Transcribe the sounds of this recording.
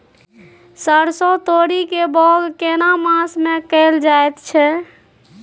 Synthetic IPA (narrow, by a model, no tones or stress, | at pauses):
səɾsɔt̪oɾikebɔɡkenamãsmekəld͡ʒaet̪t͡ʃʰɛ